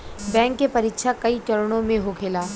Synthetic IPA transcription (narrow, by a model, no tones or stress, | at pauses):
bɛ̃ːŋkːepɐɾɪkʃʰakɐit͡ʃɐɾɽ̃õmẽɦokʰeːlaː